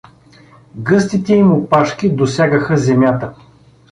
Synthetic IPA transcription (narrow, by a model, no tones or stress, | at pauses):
ɡɤst̪it̪ɛimopaʃk̟id̪osʲjaɡəxəzɛmjat̪ə